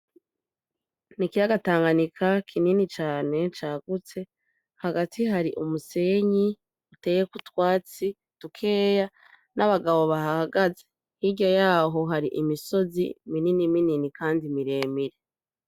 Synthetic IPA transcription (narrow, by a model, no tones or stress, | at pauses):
nikijaɡataːŋɡanikʰakʰininit͡ʃaːne̞t͡ʃaːɡ̥ut͡se̞ | haɡatʰiɦaɾiʔumuse̞ɲi | ute̞ːjekutwaːt͡si | tukʰe̞ːja | naβaɡaβo̞βaɦaaɡaze | hiɟɟojaːɦo̞ɦaɾḭʔimiso̞zḭmininimininikʰaːndimiɾe̞ːmiɾe